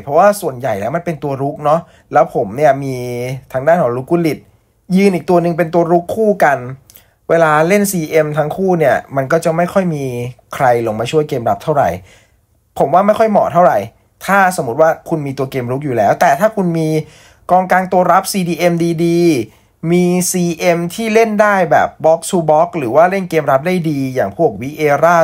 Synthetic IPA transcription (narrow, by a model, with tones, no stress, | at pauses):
pʰɾɔ˦˥waː˥˩su˨˩ənja˨˩jlɛː˦˥wma˧˨npe˧nt̪u˧ɐɾu˦˥k̚nɔ˦˥ | lɛː˦˥wpʰo˩˦mni˥˩ɐmiː˧t̪ʰaː˧˥ŋdaː˥˩nkʰɔː˨˩˦ŋɾu˦˥kːuː˥˩li˨˩t̪̚ | jɯː˧nʔiː˨˩k̚t̪u˧ɐnɯ˧ŋp̬e˧nt̪u˧ɐɾu˦˥kʰːuː˥˩ka˧n | weː˧laː˧le˥˩nsiː˧ʔe˧mt̪ʰa˦˥ŋkʰuː˥˩ni˥˩ɐma˧nkɔː˥˩t͡ɕa˨˩ma˥˩jkʰɔ˥˩jmiː˧kʰɾa˧jlo˧ŋmaː˧t͡ɕʰu˥˩əjkeː˧mɾa˦˥p̚t̪ʰa˥˩ɾa̰˨˩j | pʰo˩˦mwaː˥˩ma˥˩jkʰɔ˥˩jmɔ̰ː˨˩t̪ʰa˥˩wɾa˨˩j | t̪ʰaː˥˩so˩˦mːu˦t̪̚waː˥˩kʰu˧nmiː˧t̪u˧keː˧mɾu˦˥k̚juː˨˩lɛː˦˥wt̪ɛː˨˩t̪ʰaː˥˩kʰu˧nmiː˧ | kɔː˧ŋkaː˧ŋt̪u˧ɐɾa˦˥p̚siː˧diː˧ʔe˧mdiː˧diː˧ | miː˧siː˧ʔe˧mt̪ʰiː˥˩le˥˩ndaː˥˩jbɛ̰ː˨˩p̚bɔː˦˥k̚suː˧bɔː˦˥k̚ɾɯː˩˦waː˥˩le˥˩nkeː˧mɾa˦˥p̚daː˥˩jdiː˧jaː˨˩ŋpʰu˥˩k̚wi˦˥ʔeː˧ɾaː˥˩